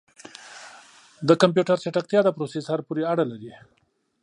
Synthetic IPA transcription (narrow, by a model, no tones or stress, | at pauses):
d̪əkamp̬juʈaɾseʈak̚t̪jɑd̪apɾosesaɾpoɾeaɽalaɾi